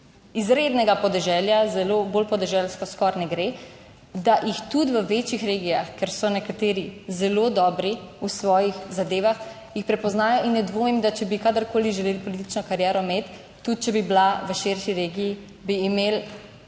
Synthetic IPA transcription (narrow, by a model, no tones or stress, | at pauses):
izɾed̪nɛɡapɔd̪ɛʒɛljazɛlobolpɔd̪ɛʒɛlskɔskɔɾnɛɡɾe | d̪aʔjixt̪ut̪ʋəʋeːt͡ʃixɾeːɡijaxkɛɾsɔnɛkat̪eːɾizɛlod̪ɔːbɾiusʋɔːjixzad̪eːʋax | jixpɾɛpɔznaːjɔʔinnɛd̪ʋoːmimd̪at͡ʃɛbikad̪əɾkoːliʒɛleːlpɔlit̪i̥t͡ʃnɔkaɾjɛːɾɔmet̪ː | ut̪̚t͡ʃɛbiblaʋəʃeɾʃiɾeːɡiji | biːmel